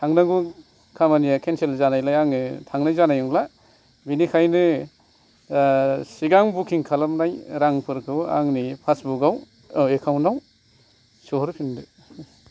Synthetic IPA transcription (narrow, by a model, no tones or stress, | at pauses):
tʰaŋnaɡu | kʰamanijakʰenselzanajlajaŋnɯtʰaŋnajzanajuŋla | binikʰajnɯ | siɡaŋbukʰiŋkʰalamnajɾaŋpʰɯɾkʰɯwa̰ŋnipʰasbuɡaw | ekʰawnaw | soɦɾpʰindɯ